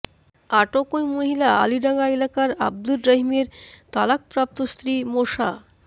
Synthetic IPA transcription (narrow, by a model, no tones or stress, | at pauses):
aʈokojmoɦilaa̰liɾaŋaelakaɾa̰b̚d̪ulɾaɦimeɾt̪alak̚pɾap̚t̪ost̪ɾimoʃa̰